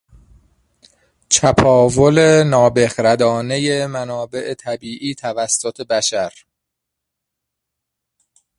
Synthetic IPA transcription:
t͡ʃʰæpʰɒːvolenɒːbexɾæd̪ɒːne̞jemænɒːbe̞ʔet̪ʰæbiːʔiːt̪ʰævæsːot̪ʰe̞bæʃæɾ

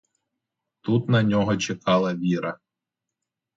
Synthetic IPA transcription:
t̪ut̪nɐnʲɔɦɔt͡ʃekɑlˠɐʋʲiɾɐ

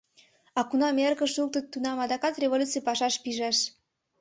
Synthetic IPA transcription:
ɑkunɑmerɣəʃuk̚t̪ət̪ːunɑmɑd̪ɑkɑt̪rʲevolut͡sijpɑʃɑʃpiʒɑʃ

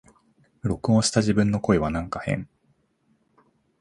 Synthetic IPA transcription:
ɾo̞kɯ̟oɕi̥t̪aʑibɯ̟̃nːo̞ko̞eβ̞anãŋkahẽ̞̰ɴ

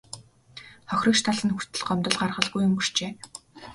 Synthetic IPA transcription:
χɔxʲrĭkʃt̪ʰaɮə̆nxu̥t̪ɘ̆ɮɢɔmt̪ɞ̆ɮɢarχə̆ɮɣujːʊmpir̥t͡ɕeː

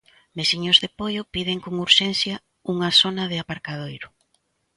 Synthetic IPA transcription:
mesiɲozðepojʊpið̞eŋkoŋuɾʃɛnθjɐ | uŋasonað̞ɪapaɾkað̞ojɾʊ

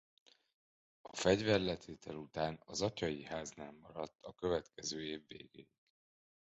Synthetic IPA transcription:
ɒfɛɟvɛrlɛt̪ʰeːt̪ʰɛlut̪aːnɒzɒcɒjihaːznaːmɒɾɒt̪ʰːɒkø̞vɛt̪kʰɛzøːeːvːḛːɡḛːjik

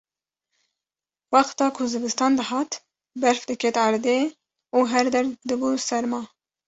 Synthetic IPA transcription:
wɑqt̪ɑːkʰʊzɨbɨst̪ɑːnd̪ɨhɑːt̪ | bɛɾfd̪ɨkʰɛt̪ɑɾd̪e | uːɦɛɾd̪ɛɾd̪ɨbusɛɾmɑː

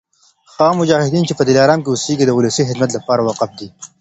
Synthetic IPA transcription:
xɑːmʊd͡ʒɑːhɪd̪iːnt͡ʃepəd̪ɪlɑːɾɑːmkeʊsiːɡid̪əʊlɐsixɪd̪mɐt̪̬lɐpɑːɾawɐqɐfd̪iː

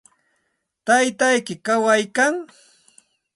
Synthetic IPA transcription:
t̪ajt̪ajkɪkawajkaŋ

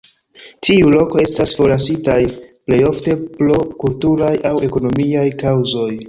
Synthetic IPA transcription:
tʰiulo̞ko̞e̞stasfo̞lasitajple̞jo̞fte̞plo̞kultuɾajawe̞ko̞no̞miajkawzo̞j

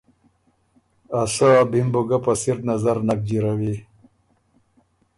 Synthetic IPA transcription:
asabimbuɡapasiɾnazaɾnak̚d͡ʑiɾawi

